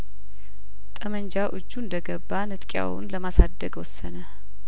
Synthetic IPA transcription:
t̪ʼəməɲd͡ʒaʔɨd͡ʒːuɨnd̪əɡəbːanɨt̪ʼkʼja̰wʊ̰nləmasad̪ːəɡwɔsːənə

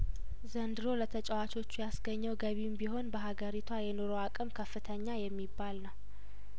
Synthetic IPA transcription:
zənd̪ɨɾo̞lət̪ʰət͡ʃʼɛwat͡ʃo̞t͡ʃːujasɡəɲːəwɡəβimbiho̞nbəɦaɡəɾit̪ʰwajɛnoɾo̞akʼɨmkʰəfːɨt̪ʰəɲːajɛmːibːalnəw

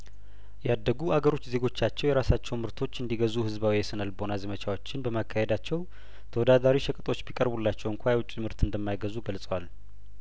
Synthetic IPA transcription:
jɛad̪ːəɡuʔaɡəɾo̞t͡ʃːze̞ɡo̞t͡ʃːat͡ʃːɛwjɛɾasat͡ʃːɛwmɨɾt̪ʰo̞t͡ʃːɨnd̪iɡəzuhɨzbawijɛsɨnəlbo̞nazəmət͡ʃʰawo̞t͡ʃːɪnbəmakʰːahed̪at͡ʃːɛw | t̪ʰəwɔd̪ad̪aɾiʃəkʼɨt̪ʼo̞t͡ʃːbikʼəɾbulːat͡ʃːɛwɨŋkʷʰajɛwʊt͡ʃʼːimɨɾt̪ɨnd̪əmːajɡəzuɡəlsʼəwal

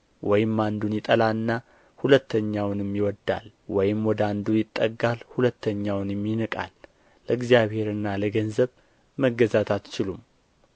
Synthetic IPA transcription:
wʔɔjɪmːand̪unjɪt̪ʼəlaɨnːa | hulət̪ʰːəɲːawnɛmːiwɔd̪ːa̰l | wɔjɪmwɔd̪əand̪ujɪt̪ʼːəɡalhulət̪ːəɲːawnjɛmːinəkʼa̰lː | əɨɡzijaβhe̞ɾɨnːaləɡənzəβ | məɡəzat̪ʰat̪t͡ʃɪlum

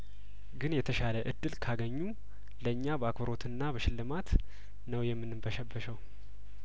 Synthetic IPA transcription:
ɡɨnjɛt̪ʰəʃaləʔɨd̪ːɨlkʰaɡəɲːu | ləɨɲːabəakbəɾo̞t̪ʰɨnːabəʃɪlːɨmat̪ | nəwjɛmːɨnːɨmbəʃəbːəʃəw

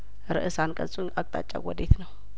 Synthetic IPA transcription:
ɾɨ̰ʔɨsankʼəsʼunakʼt̪ʼa̰t͡ʃʼa̰wɔd̪et̪nəw

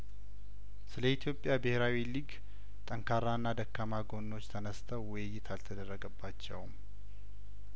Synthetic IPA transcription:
sɨləit̪ʰjo̞pʼːjabɨheɾawiliɡ | t̪ʼəŋkʰaɾːanːad̪əkːamaɡo̞nːo̞t͡ʃːt̪ʰənəst̪ʰəwwɔjɨjːɪt̪ʰalt̪ʰəd̪ərːəɡəbːat͡ʃːɛ̰wm

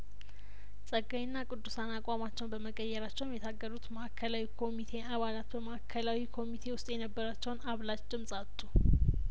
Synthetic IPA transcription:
sʼəɡːajɨnːakʼɨd̪ːusanakʼamat͡ʃːɛwnbəməkʼəjːɛɾat͡ʃːɛwmjɛt̪ʰaɡːəɾut̪məʔakʰːəlawikʰo̞mit̪ʰe̞ʔaβalat̪bəməakʰːəlawikʰo̞mit̪ʰe̞wʊst̪ʼjɛnəbːəɾat͡ʃːɛwnaβlat͡ʃd̪ɨmsʼat̪ʼːu

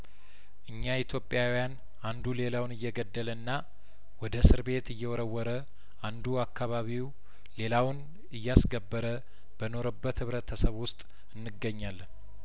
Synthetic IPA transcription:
ʔɨɲːait̪ʰjo̞pʼːjawjan | ʔand̪ule̞lawnɨjːɛɡəd̪ːələnːa | wɔd̪əsɨɾbe̞t̪ɨjːɛwɔɾəwːɔɾə | ʔand̪uakːaβaβiw | le̞lawn | ɨjːasɡəbːəɾə | b̥əno̞ɾəbːət̪hɨβɾət̪ʰəsəβwʊst̪ʼ | ɨnːɨɡːəɲːalː

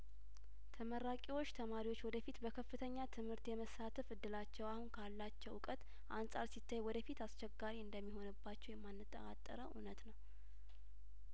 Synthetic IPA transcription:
t̪ʰəməɾakʼiwo̞t͡ʃːt̪ʰəmaɾiwo̞t͡ʃːwɔd̪əfit̪bəkʰəfːɨt̪ʰəɲːat̪ʰɨmhɨɾt̪jɛməsat̪ʰəfɨd̪ːɨlat͡ʃːɛwahunkʰalːat͡ʃːɛwʊkʼət̪ | ʔansʼa̰ɾsit̪ʰːajwɔd̪əfit̪ast͡ʃɛɡːaɾiɨnd̪əmːiho̞nɨbːat͡ʃːɛwjɛmːanːɨt̪ʼːə̰ɾa̰t̪ʼːə̰ɾəʔṵnət̪nəw

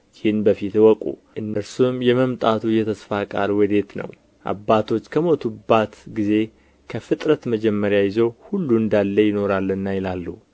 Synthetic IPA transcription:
jɪhnbəfit̪wɔkʼṵʔɨnːɨɾsumjɛməmt̪ʼat̪ʰujɛt̪ʰəsfakʼa̰lwɔd̪e̞t̪nə̰w | ʔa̰bːat̪ʰo̞t͡ʃːkʰəmo̞t̪ʰubat̪ɡize̞ | kʰəfɨt̪ʼɾət̪məd͡ʒɛmːəɾjajɪzowhulːuɨnd̪alːəjɪno̞ɾalːənːajɪlalːu

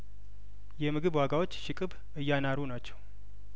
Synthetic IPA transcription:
jɛmɨɡɨβwaɡawot͡ʃːʃɪkʼɨβ | ɨjːanaɾunat͡ʃːɛw

